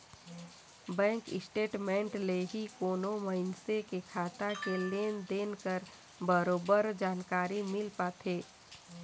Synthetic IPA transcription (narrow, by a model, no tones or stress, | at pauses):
bɛ̃ːŋkɪsʈeːʈmẽːɳʈleɦikoːnoməɪnsekekʰaːt̪akeleːnd̪eːnkəɾ | bəɾoːbəɾd͡ʒaːnkaːɾimɪlpaːt̪ʰeː